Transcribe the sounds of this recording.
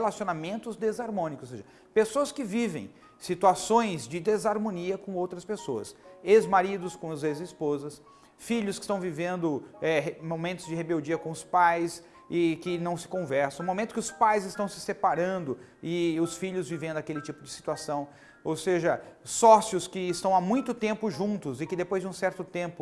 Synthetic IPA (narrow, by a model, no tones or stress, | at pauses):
elasionamẽnt̪ʊzd̪ezaɾmõnikʊsoseʒɐ | pesoɐskɪvivḛ̃j̃ | sit̪uasõj̃zd͡ʒɪd̪ezaɾmõniɐkõowt̪ɾɐspesoɐ̰sezmaɾid̪ʊskõʊzezɪspozɐs | fiʎʊskɪ̥st̪ɐ̃w̃vivẽnd̪ʊɛɦmomẽnt̪ʊzd͡ʒɪhebewd͡ʒiɐkõʊspajs | ɪkɪnɐ̃w̃sɪ̥kõvɛɾsɐ̃w̃momẽnt̪ʊkɪʊspajzɪst̪ɐ̃w̃sɪsepaɾɐ̃nd̪ʊ | ɪʊsfiʎʊzvivẽnd̪ʊakelɪt͡ʃipʊd͡ʒɪsi̥t̪uasɐ̃w̃ | owseʒɐsɔsjʊskɪːst̪ɐ̃w̃amũj̃t̪ʊt̪ẽmpʊʒũnt̪ʊzɪkɪd̪epojzd͡ʒɪũsɛɾt̪ʊt̪ẽmpʊ